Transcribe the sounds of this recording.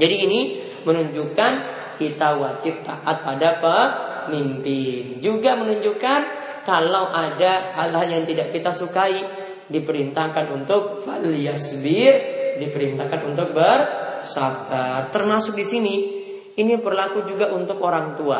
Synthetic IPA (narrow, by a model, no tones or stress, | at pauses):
d͡ʒadiːni | mənuɲd͡ʒukan | kit̪awat͡ʃɪp̚t̪aʔat̪̚padapəmimpɪnd͡ʒuɡamənuɲd͡ʒukan | kalawʔadaalɦaljaŋt̪idaʔkit̪asukai | dipəɾint̪akanunt̪ʊk̚faliasbɪrdipəɾint̪akanunt̪ʊk̚bərsafərt̪ərmasʊk̚disini | inipərlakud͡ʒuɡaʔunt̪ʊkoɾaŋt̪ua̰